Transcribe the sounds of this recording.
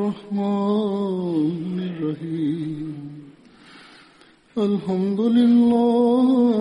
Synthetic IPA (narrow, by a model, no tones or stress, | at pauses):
ɑhmaː | nirːɑɦiːmm | ɐlɦɐmd̪ulilːa